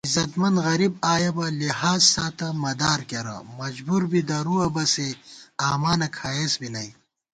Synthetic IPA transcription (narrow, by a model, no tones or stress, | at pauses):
izɐt̪mɐnd̪ɣɐɾib̚aːjɐbɐlihaːzsaːt̪ɐmɐd̪aːɾkɐɾɐ̰mɐd͡ʒbuɾbid̪ɐɾuɐbɐseaːmaːnɐkʰaːjeːsbinɐj